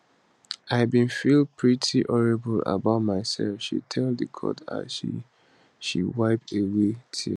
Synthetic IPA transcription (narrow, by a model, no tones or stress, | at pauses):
aɪabĩnfilpʰɹitʰiʔɔɹibəla̰baʊtmaɪsɛ̰lfʃḭtʰɛlˠdəkʰɔ̰ta̰zʃḭ | ʃḭwaɪp̚tewetʰḭ